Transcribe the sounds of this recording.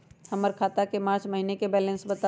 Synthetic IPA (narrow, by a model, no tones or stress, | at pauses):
hɐməɾkʰaːt̪akemãːt͡ʃmɐɦinekebɛːlə̃nsbɐt̪a